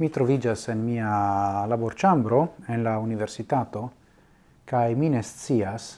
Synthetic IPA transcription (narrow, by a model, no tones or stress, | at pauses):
mit̪ɾo̞vid͡ʒase̞nmialaboɾt͡ʃambɾo̞enlaunive̞ɾsit̪at̪o̞ | kajminest͡sias